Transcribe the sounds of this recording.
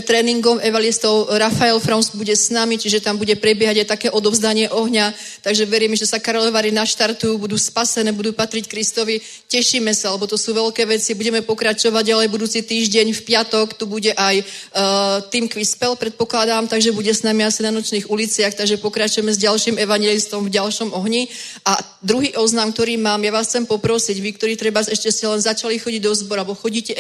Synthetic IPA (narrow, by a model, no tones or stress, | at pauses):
t̪ɾɛːniŋɡɔmʔɛʋalist̪ɔʊɾafaɛlfɾɔnzbuɟɛsnamit͡ʃiʒɛt̪ambuɟɛpɾɛbɪɛɦaɟajt̪akɛːʔɔd̪ɔvzd̪aɲɪɛʔɔɦɲa | t̪aɡʒɛʋɛɾiːmʒɛsakaɾɔlɛʋaːɾinaʃt̪aɾt̪ujuːbud̪uːspasɛnɛːbud̪uːpat̪ɾickɾist̪ɔʋi | cɛʃiːmɛsaalɛbɔt̪ɔsuːʋɛlkɛːʋɛt͡sibuɟɛmɛpɔkɾat͡ʃɔʋaɟalɛjbud̪uːt͡sit̪iːʒɟɛɲfpɪat̪ɔkt̪ubuɟɛʔaj | t̪iːmkʋispɛlpɾɛt̪̚pɔklad̪amt̪aɡʒɛbuɟɛsnamiasinanɔt͡ʃniːɣulit͡sɪaxt̪aɡʒɛpɔkɾat͡ʃujɛmɛzɟalʃiːmɛʋaɲjɛlist̪ɔmvɟalʃɔmɔɦɲi | a | d̪ɾuɦiːʔɔznamk̚t̪ɔɾiːmaːmjaʋaːsxt͡sɛmpɔpɾɔsiɟʋik̚t̪ɔɾiːt̪ɾɛbasɛʃcɛscɛlɛnzat͡ʃalixɔɟiɟd̪ɔzbɔɾalɛbɔxɔɟiːcɛ